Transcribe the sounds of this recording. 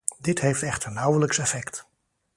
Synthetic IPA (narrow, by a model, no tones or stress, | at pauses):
dɪtɦejftɛχtəɹnʌwələksɛfɛkt